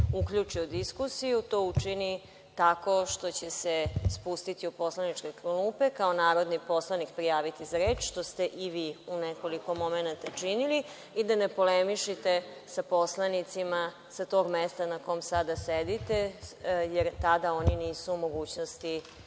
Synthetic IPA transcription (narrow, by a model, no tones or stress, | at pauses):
uklʎut͡ʂiod̪iskusijut̪oːut͡ʃini | t̪ako̞ʃt̪o̞t͡ɕesespust̪it̪iupo̞slanit͡ʃkekɾluːpe̞kaonaːɾod̪nipo̞slanikpɾijaːʋit̪izaɾeːt͡ʃʃt̪o̞st̪e̞ʔiʋiːuneko̞liko̞mo̞menat̪at͡ʂinili | id̪anepo̞lemiʃit̪e̞ | sapo̞slˠanit̪sima | sat̪o̞ːɡmest̪anako̞jmsad̪ased̪it̪ejeɾt̪ad̪ao̞niniːsuumo̞ɡuːt͡ɕnost̪i